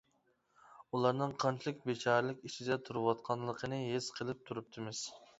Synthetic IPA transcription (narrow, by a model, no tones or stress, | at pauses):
ulˠɑɾnɨŋqʰɑnt͡ʃʰilˠɪk̚ʲbet͡ʃʰɑːɾɨlˠɪkʲiʃʰid̪ɛt̪ʰuɾɨwɑt̪̚qʰɑnlˠəqʰənɨɦez̥qʰəlˠɨp̚t̪ʰuɾup̚t̪ʰɨmɪz̥